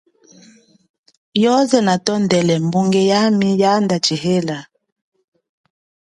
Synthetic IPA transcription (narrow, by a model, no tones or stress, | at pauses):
jɔzɛnatɔndɛlɛmbuŋɡɛjamijandat͡ʃihela